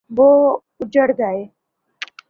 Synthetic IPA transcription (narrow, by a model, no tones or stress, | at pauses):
bo | ud͡ʑəɽd͡zae